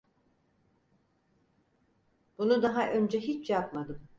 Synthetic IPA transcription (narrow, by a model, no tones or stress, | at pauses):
b̥unud̪aɦaʔø̞nd͡ʒɛɦit͡ʃʰjapmad̪ɯm